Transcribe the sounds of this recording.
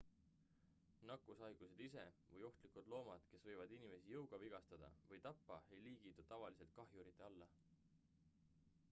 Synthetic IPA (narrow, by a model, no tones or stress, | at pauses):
nɑkːˑusɑjɡ̥use̞d̪̥ise̞̰vɤjo̞ht̪likud̪̥lo̞ːmɑd̪̥ke̞svɤ̞jvɑd̪inime̞sijɤwɡ̥ɑviɡ̥ɑst̪ɑd̪̥ɑ̰vɤjt̪ɑpːɑe̞jliːɡ̥it̪ːˑut̪ːɑvɑlise̞lt̪̚kɑɦjuɾit̪ˑːe̞ɑlːɑ